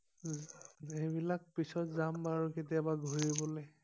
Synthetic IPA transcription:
ejbilak̚pisɔtzambaɹuketiabaɡʱoɹibɔlɛ

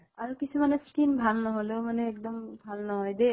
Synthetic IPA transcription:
aɹukisumanɛskinbʱalnɔɦɔlemanɛːk̚d̪ɔmbʱalnɔɦɔjd̪e

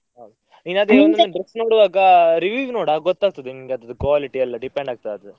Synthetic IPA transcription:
ɦad̪ | inad̪eːɐnɐɖɾɛksnoːɽʋaːɡɐɾiʋiːʋnoːɽaːɡɐɡɔt̪ːaːɡ̚t̪ɐd̪eniŋɡeɐd̪ɐd̪ukaliʈiɐlːɐɖipeɳɖaːɡ̚t̪aɐd̪u

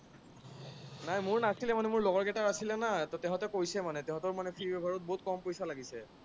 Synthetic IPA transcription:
najmʊɹnatʰilɛmanɛmʊɹlɔɡɔɹɡɛtaɹasilɛnatɔtɛɦɔ̃tɛkojsɛmanɛtɛɦɔ̃tɔɹmanɛpʰiɹbɛbʱaɹɔt̚bɔɦut̚kɔmpojsalaɡisɛ

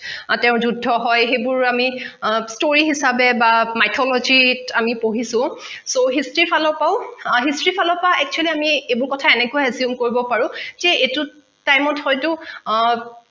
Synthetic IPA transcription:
tɛʊ̃zudʱːɔɦɔjxebʊɹamistoɹiɦisabɛbamajtʰɔlɔd͡ʒitamipoɦisʊ̃ | soɦistɹipʰalɔpaʊɦistɹipʰalɔpaʔɛk̚t͡ʃualiamiebʊɹkɔtʰaɛnɛkʊaɛziumkoɹibɔpaɹʊ̃zɛetʊ | tajmɔthɔjtʊ

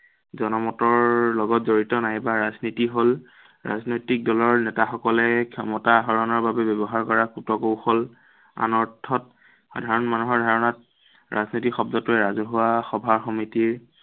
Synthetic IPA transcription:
zɔnɔmɔtɔɹlɔɡɔtzoɹitɔnajbaɹaznitiɦol | ɹa̰znojtik̚dɔlɔɹnɛtaxɔkɔlɛkʰɔmɔtaɦɔɹɔnɔɹbabɛbɛbɔɦaɹkɔɹakutɔkowxɔl | a̰nɔɹtʰːɔt̚ | xa̰dʱaɹɔnmanuɦɔɹdʱaɹɔnat̚ | ɹa̰znitikxɔb̚dɔtʊɛɹazɔɦʊwaxɔbʱaɹxɔmitiɹ

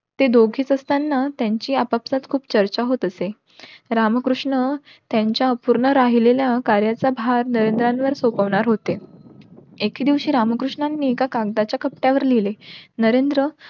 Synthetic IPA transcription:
t̪ed̪oɡʱiːt͡səst̪anːat̪jaɲt͡ɕiːapapsat̪kʰuːpt͡ɕəɾt͡ɕaɦot̪əse | ɾaməkɾuʂɳə | t̪jaɲt͡ɕjaəpuɾɳəɾaɦileljakaɾjat͡sabʱaɾnəɾend̪ɾãnʋəɾsopəʋɳaɾɦot̪e | ekid̪iʋɕiːɾaməkɾuʂɳanːiːkakaɡd̪at͡ɕjakəpʈjaʋəɾlilenəɾend̪ɾə

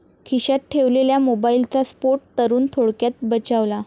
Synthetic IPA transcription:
kʰiɕat̪̚ʈʰeʋleljamobailt͡saspoʈ̚t̪əɾuːnt̪ʰoɽkjat̪̚bət͡ɕaʋla

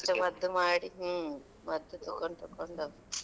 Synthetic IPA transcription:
t͡ʃɐmɐd̪ːumaːɽiɦu | mɐd̪ːut̪ukːoɳt̪ukːoɳɖɐ

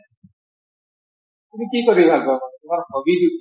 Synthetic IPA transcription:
tumikikoɾibʱaɡɔtumaɾxɔbid̪i

